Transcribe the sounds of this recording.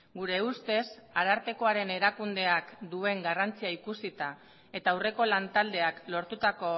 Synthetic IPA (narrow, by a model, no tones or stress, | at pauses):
ɡuɾe̞ust̪e̞saɾaɾt̪e̞ko̞aɾe̞ne̞ɾakund̪e̞akd̪ue̞ŋɡarant͡siaikusit̪a | e̞t̪aːwre̞ko̞lant̪ald̪e̞aklo̞ɾt̪ut̪ako̞